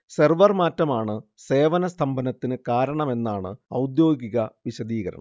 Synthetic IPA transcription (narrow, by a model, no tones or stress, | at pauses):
serʋɐrmaːtːɐmaːɳɨse̞ːʋɐnɐst̪ʰɐmbɐnɐt̪ːinɨkaːɾɐɳɐme̞nːaːɳɨɐwd̪jo̞ːɡiɣɐʋiɕɐd̪iːɣɐɾɐ̰ɳɐ̰m